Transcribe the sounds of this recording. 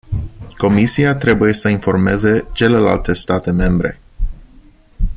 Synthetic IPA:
ko̞misiat̪ɾe̞buje̞səinfo̞rme̞ze̞t͡ʃe̞le̞la̰lt̪e̞st̪at̪e̞me̞mbɾe̞̰

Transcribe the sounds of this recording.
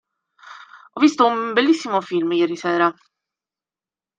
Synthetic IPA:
ɔvːist̪oumbelːisːimofilmjɛːɾisɛːɾa

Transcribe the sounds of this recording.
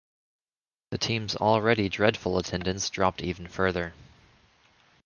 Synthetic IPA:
ðɨtʰĩmzl̩ˠɹɛɾidɹɛd̥fl̩ˠətʰɛ̃ndɨ̃ntsd̥ɹɑp̚tʰivn̩fɜ˞ðə˞

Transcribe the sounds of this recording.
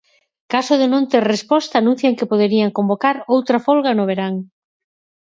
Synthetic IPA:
kasʊðenõnt̪eɾrespɔst̪aːnũn̟θjaŋkɪpoðeɾiaŋkombokaɾowt̪ɾɐfolɣanoβ̞eɾaŋ

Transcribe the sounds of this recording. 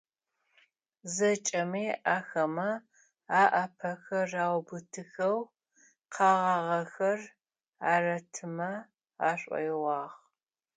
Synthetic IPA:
zɐt͡ʃʼɐmiːʔaːxɐmɐ | aːʔɐpʰɐxɐraːwbɨtʰɨxɐw | qʰɑːʁɑʁɐxɐr | aːrɐtʰɨmɐ | aːɕʷʼɔ̰jʁɑːʁ

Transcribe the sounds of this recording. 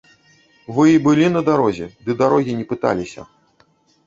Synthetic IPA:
vɨibɨlʲinɐd̪aɾɔzʲɛd̪ɨd̪aɾɔɣʲinʲɛpɨt̪a̰lʲisʲɐ̰

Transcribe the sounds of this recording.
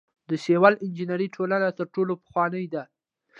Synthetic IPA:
d̪əʃewalɪnd͡ʒinaɾiʈʰolanat̪əɾʈolopə̥xwɑnəjd̪a

